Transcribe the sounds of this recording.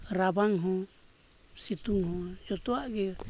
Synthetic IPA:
ɾabaŋɦɔ | sit̪uŋhɔd͡ʒɔt̪ɔaɡɛ

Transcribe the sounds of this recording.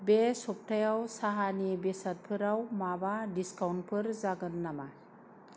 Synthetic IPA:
besɔp̚tʰajawsaɦanibesat̚pʰɯɾawmabadiskawnpʰɯɾzaɡɯnːama

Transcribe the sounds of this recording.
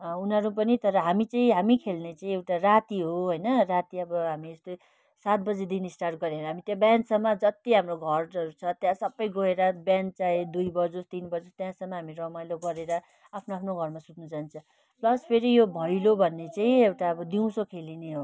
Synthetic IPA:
unɦʌɾup̬ʌnit̪ʌɾʌɦamit͡saĩɦamikʰelnet͡saĩewʈarat̪iɦoɦʌjnʌrat̪iʌbʌɦamiest̪o | sat̪̚bʌd͡zed̪inisʈarʈ̚ɡʌɾeɾʌɦamit̪jãbjansʌmːʌd͡zʌt̪iɦamroɡʱʌrʌɾut͡sʰʌt̪jãsʌbːʌjɡʱoɦeɾʌbjant͡saed̪ujbʌd͡zost̪inbʌd͡zost̪jãsʌmːʌɦamiɾʌmajloɡʌɾeɾʌ | apʰnoapʰnoɡʱʌrmasut̪nud͡zant͡sʰʌ̃ | plʌspʰeɾijobʱʌjlobʱʌnːet͡saĩewʈaʌbʌd̪iw̃sokʰelineɦo

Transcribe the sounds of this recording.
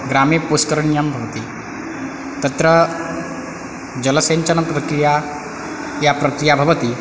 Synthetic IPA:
ɡɾaːmepuskɐɾɐɳjambʱɐʋɐt̪i | t̪ɐt̪ɾɐ | d͡ʒɐlɐseːnt͡ʃɐnɐpɾɐkɾija | japɾɐkɾijabʱɐʋɐt̪i

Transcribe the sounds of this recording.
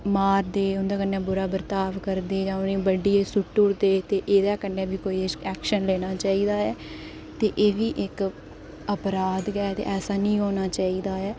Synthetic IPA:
maːɾd̪eːʊnd̪ãːkənːɛ̃ːbʊɾaːbəɾt̪aːʋkəɾd̪eːd͡ʒãːʊnĩːbəɖiːeːsʊʈːʊɽd̪eːt̪eːʔeːd̪aːkənːẽːbiːkoːiːɛːkʃənleːñaːt͡ʃaːiːd̪aːɛː | t̪eːʔeːʋiːʔɪk | əpɾaːd̪ɡɛːt̪ḛːʔɛːsaːnĩːɦoːnaːt͡ʃaːiːd̪aːɛː

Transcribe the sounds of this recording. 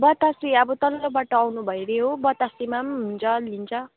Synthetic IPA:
bʌt̪asiʌbʌt̪ʌlʌlʌbaʈʌawnubʱʌjɾeɦobʌt̪asimamɦunt͡sʰʌlint͡sʰʌ

